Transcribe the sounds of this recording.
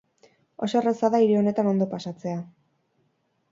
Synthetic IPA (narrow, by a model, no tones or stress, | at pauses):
o̞soresaðaiɾeo̞ne̞t̪ano̞nd̪o̞pasat͡se̞a